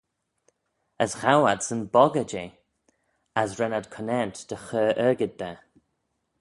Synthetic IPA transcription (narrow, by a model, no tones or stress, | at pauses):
əsxawad̪sənbɔɡəd͡ʒe | asɹɛnad̪kʰənɛnt̪d̪̥əxəːʔɛːɡɪd̪̚bɛ